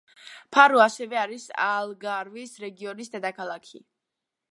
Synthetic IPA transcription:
pʰaɾuasɛvɛaɾisa̰lˠɡaɾvisɾɛɡiɔnisd̪ɛd̪akʰalˠakʰḭ

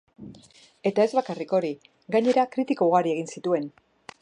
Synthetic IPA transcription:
e̞t̪ae̞zβakariko̞ɾi | ɡaɲe̞ɾakɾit̪ikoɣaɾie̞ɣinsit̪ue̞n

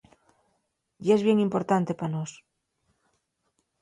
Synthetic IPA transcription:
jezβje̞ŋimpo̞ɾt̪ant̪e̞panos

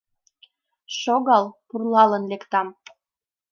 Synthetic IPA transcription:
ʃoɣɑlpurlɑlənlekt̪ɑm

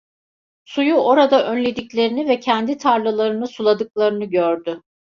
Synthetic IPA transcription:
sujuʔo̞ɾad̪aʔønlʲe̞d̪iclʲe̞ɾinivɛcʰænd̪it̪ʰaɾlˠɯlˠaɾɯnɯsulˠad̪ɯklˠaɾɯnɯɟøɾd̪ʏ

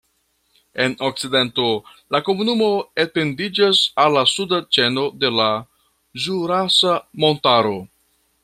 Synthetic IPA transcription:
e̞no̞k̚t͡side̞nto̞lako̞munumo̞ete̞ndid͡ʒasalːasudat͡ʃe̞no̞de̞la | zuɾasamo̞ntaɾo̞

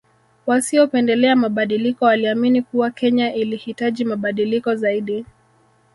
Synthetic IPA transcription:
wasiɔpɛndɛlɛamaɓaɗilikɔwaliaminikuwakɛɲaʔilihitaʄimaɓaɗilikɔzaiɗi

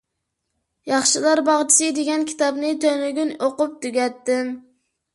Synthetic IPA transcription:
jɑχʃɨlˠɑɾbɑʁt͡ʃʰi̥sɨd̪eɡʲɛnkʲʰi̥t̪ɑbnɨt̪ʰønyɡʲynoqʊp̚t̪yɡʲɛt̪ːɪm

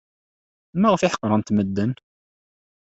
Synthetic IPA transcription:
mæʁfɪħə̥qːɾˤɑnt̪məd̪ːən

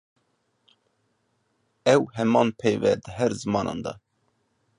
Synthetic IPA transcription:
ɛwɦɛmɑːnpʰɛjvɛd̪əɦɛɾzɨmɑːnʔɑ̰ːnd̪ɑ̰

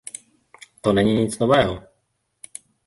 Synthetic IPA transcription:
t̪ɔnɛɲiɲit͡snɔvɛːɦɔ

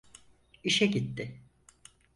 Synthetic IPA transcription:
iʃɛɟit̪ːɪ

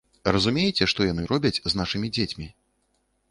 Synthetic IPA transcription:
rɐzumʲejɛt͡sʲɛʂt̪ɔjanɨɾɔbʲɐt͡sʲznaʂɨmʲid͡zʲet͡sʲmʲi

